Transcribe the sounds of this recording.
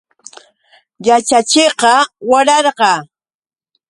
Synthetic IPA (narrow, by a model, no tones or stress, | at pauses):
jat͡ʃat͡ʃeqɑwaɾɑɾqɑː